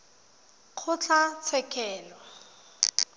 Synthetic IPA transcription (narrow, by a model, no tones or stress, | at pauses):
q͡χʰʊt͡ɬʰat͡sʰɛkʰʼɛːlɔ